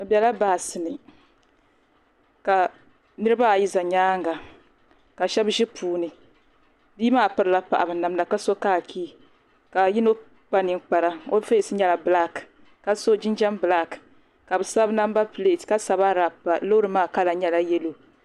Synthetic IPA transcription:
bɛ˨la˦baː˨sɨ˨nɨ˨ | ka˨ | nɨ˦ɾɨ˦ba˦a˨ji˦za˨ɲaː˦ŋɡa˨ | ka˨ʃɛ˦bʒɪ˦pʰuː˨˦nɨ˨ | biː˦maː˦˨pɨ˦ɾɨ˦la˦pa̰˨ʔa˨bɨ˨na˨mna˨ka˦so˦kaː˦˨kʰiː˦ | ka˨ji˦no˦ | k͡pa˦ni˨ŋk͡pa˨ɾa˦o̰˦fe˦˨sɨ˦ɲɛ˦la˨bla˦k | ka˦so˦d͡ʒɪ˦nd͡ʒɛ˦mbɨ˨la˦k | ka˨bɨ˨sa˦bna˦m˦ba˦pɨ˨le˨tka˦sa˨ba˦ɾa˨a˨lo˦ɾɨ˨maː˦˨ka˦la˨ɲɛ˦la˦jɛ˦lo˨

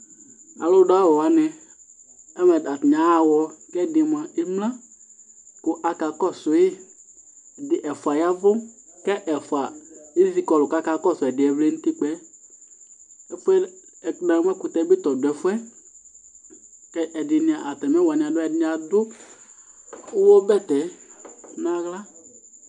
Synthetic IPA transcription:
a̰˨lo˦ɖo˦a˦wɔ˨wa˨nɛ̃˨ | ɛ˦mɛ˨da˨tɲã˨˦a˨wɔ˨kɛ˦˨de˨mã˨e˦mlã˦ | ko˦ʔa˨ka˨kɔ˦so˨˦je˦˨ | dɪ˨ʔɛ˨fo˨a˨ja˦vo˦kɛ˦ʔɛ˨fo˨a˨e˦zi˦kɔ˨lo˨ka˦ka˦kɔ˦so˨ɛ˨dɪ˨ɛ˨vle˦nũ˦t̪i˦k͡pɛ˦ | ɛ˦fʊ˦ɛ˦ɛ˨˦nã˨˦m˦ɛ˦kʊ˨t̪ɛ˦be˦t̪ɔ˨dʊ˨ɛ˨fʊ˦ɛ˦ | kɛ˦ʔɛ˨dɪ˨nɪ̃˨ã˨ʔa˨t̪ɛ˨m˦ɛ˦wa˨nɪ̃˨a˨dʊ˦ɛ˨dɪ˦a˨dʊ˦ | wɔ˦bɛ˦t̪ɛ˨ | nã˨ɣla˦

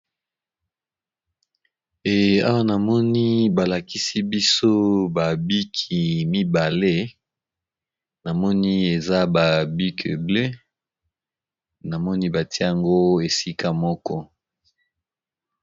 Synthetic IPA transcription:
e˨a̰˦wa˦na˨mɔ˦ni˦ba˨la˨ki˦si˦bi˦so˦ba˨bi˦kʰi˨mi˦ba˨le˦ | na˨mɔ˦ni˦e˨za˦ba˨bi˦kʰḛ˨ble˦ | na˨mɔ˦ni˦ba˨ti˦e˦a˨ŋɡo˦e˨si˦ka˦mɔ˦kɔ˦

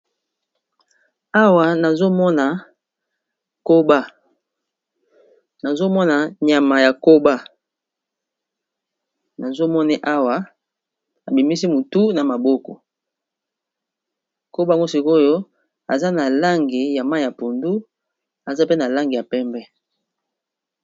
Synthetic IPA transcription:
a˦wa˨na˨zo˦mɔ˦na˨ | ko˦ba˦ | na˨zo˦mɔ˦na˨ɲa˨ma˨ja˨ko˦ba˦ | na˨zo˦mɔ˦ni˦ʔa˦wa˨ | a˨bi˨mi˦si˦mu˨tu˦na˨ma˨bɔ˦kɔ̰˨ | ko˦ba˦˨ŋɡo˦si˨ko˦jo˦ | a˨za˦na˨la˦ŋɡi˨ja˨ma˦˨ja˨po˨ndu˦ | a˨za˦pe˦na˨la˦ŋɡi˨ja˨pɛ˦mbɛ˦

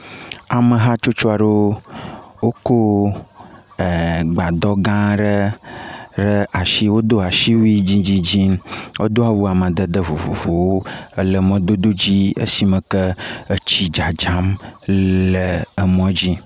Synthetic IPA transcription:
a˨mə̃˨ɦa˦t͡ʃo˦t͡ʃo˦a˨ɖe˦o˦wo˦ko˦˨ | ɡ͡ba˨d̪ɔ˦ɡã˦ɖə˦ | ɖə˦a˨ʃi˦wo˦d̪o˦a˨ʃi˦wi˦d͡ʑi˦d͡ʑi˦d͡ʑi˦m˦wʔo˦d̪o˦a˨wu˦a˨mə̃˨d̪ə˦d̪ə˦vo̰˨vo̰˨vo˨wo˦ə˦lə˨mɔ̃˦d̪o˦d̪o˦d͡ʑi˦ə̰˦si˨mə̃˨kə˦ə˦t͡ɕi˦d͡ʒa˨d͡ʒa˦m | lə˨ə˨mɔ̃˦d͡ʑi˦

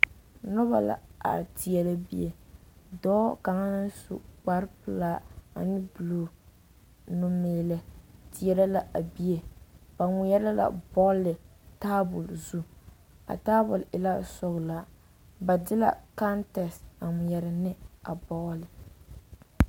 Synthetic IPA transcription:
nʊ˦ba̰˨la̰˨a̰˨ti˨ɛ˨la˦bḭ˦e˦dɔː˦ka˨ŋa˦na˦sṵ˦k͡pa˦ɾpɨ˦laː˦a̰˨nɪ˦bɨ˨loː˨ | nu˦meː˨lɛ˦ti˨ɛ˨ɾa˦la˨ʔa˨bi˦e˨ba˨ŋʊ˨jɛ˦la˦la̰˨bɔ˦ɣlɪ˨ | ta˦bʊ˨lzu˦ | a̰˨ta˦bʊ˨lɪ˨la˦sɔ˦ɣla˨ | ba˨dɪ˦la̰˨ka˦ntɛ˨sa˨ŋʊ˨jɛ˨ɾɪ˨nɪ˦a˨bɔ˦ɣlɪ˨

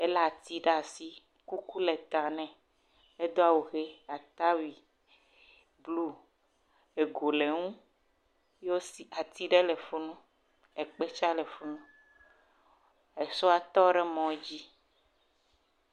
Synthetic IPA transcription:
e˦la˦˨t̪i˦ɖa˨si˦ | ku˦ku˦lɛ˨t̪a˨nɛ̃˨ | e˦d̪o˦a˨wo˨ɣe˦a˨t̪a˦wi˨ | blu˦ | e˨ɡo˨le˨ŋũ˦ | jo˦si˦a˨t̪i˦ɖɛ˦lɛ˨fo˦nũ˦ | ɛ˨k͡pe˦t͡ʃa˦lɛ˨fo˦nũ˦ | e˨so˦a˨t̪ɔ˦ɖɛ˦mɔ̃˦d͡ʑi˦

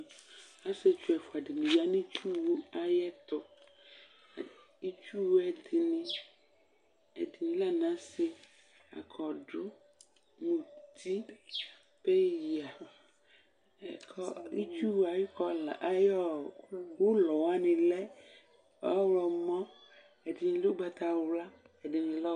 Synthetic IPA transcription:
a˦se˦t͡ʃu˦ɛ˨fu˨a˨ɖi˨nĩ˨ja˨nĩ˦t͡ʃu˦wu˦a˨jɛ˦t̪ʊ˨ | i˦t͡ʃu˦wɛ˨d̪i˨nĩ˦ | ɛ̰˨d̪i˨nĩ˨la˦nã˦sɪ˨ | a̰˨kʰɔ˨ɖʊ˦ | nũ˨t̪i˦ | pe˦ja˨ | kɔ˦ḭ˦t͡ʃu˦wa˨ji˦kɔ˦la˨jɔ˦˨wo˦lɔ˨wa˦nĩ˨lɛ˦ | a˦wlɔ˨mɔ̃˦ | e˨d̪i˨nĩ˨lo˦ɡ͡ba˨t̪a˨˦wla˦ | ɛ˨de˨mĩ˨lɔ˦

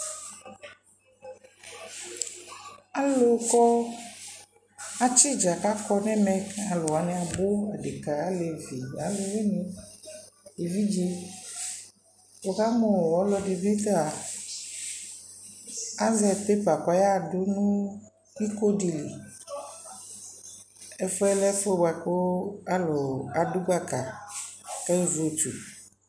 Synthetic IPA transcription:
a˦lo˨˦kɔ˦ | a˨t͡ʃi˦d͡ʒa˨ka˦kɔ˦nɛ̃˦mɛ̃˦ka˨lo˨wa˨nɛ̃˨a˨bo˦a˨ɖe˨ka˨a˦le˨vi˨a˨lo˦we˦nĩ˦ | e˨vi˦d͡ʒe˦ | wo˨ka˦mo˨wɔ˦lɔ˦di˨bi˦t̪a˨ | a˦zɛ˨te˦pa˨kɔ˦ja˦˨dʊ˦nũ˦ | i˦ko˦di˨li˨ | ɛ˦fɔ˦ɛ˦lɛ˦fe˦ba˨ko˦a˦lo˨a˨dʊ˦ɡ͡ba˦ka˨ | kɛ˦zo˨t͡ʃu˨

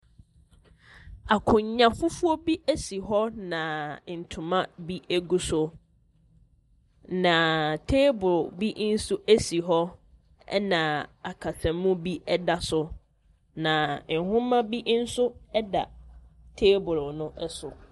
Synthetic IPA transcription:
a˨kʰʊ̃˨ɲɲã˨fʊ˦fu˦ɔ˦bi˦ʔæ˦si˨ɦɔ˦nã˨n̩˨tʰʊ̃˨mã˦bi˦ʔæ˦ɡu˦sʊ˦ | nã˨tʰeː˦bʊ˨ɾʊ˨bi˦ʔn̩˦sʊ˦ʔæ˦si˨ɦɔ˦ | ɛ̰˦nã˨a˨kʰa˨sã˨mũ˦bi˦ɛ˦da˨sʊ˦ | nã˨hʊ̃˦mã˦bi˦ʔn̩˦sʊ˦ɛ˦da̰˨tʰeː˦bʊ˨ɾʊ˨nʊ̃˦ʔɛ˦sʊ˨

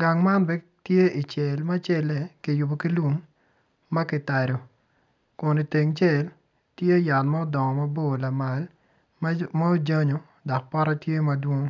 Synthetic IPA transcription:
ɡa˨ŋma˦nbɛ˦ | tje˦i˨t͡ʃɛ˨lma˦t͡ʃɛ˦lɛ˨kɪ˨jʊ˨bo˨ki˦lu˦ŋ | mɐ˦kɪ˨ta˨ɾo˨ | kʊ˨ni˨te˨ŋt͡ʃɛ˦˨l | tje˦ja˨lma˦ɔ˦dɔ˨ŋɔ˨ma˦bo˦˨la˨ma˨l | ma˦o˦d͡ʒa˦ɲo˨ | dɔ˨k̚pɔ˦ɾa˦tje˦mɐ˦dwo˦ŋ

